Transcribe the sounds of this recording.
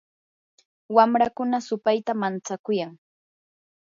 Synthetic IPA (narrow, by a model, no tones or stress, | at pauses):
wamɾakʊnasʊpajt̪amant͡sakʊjaŋ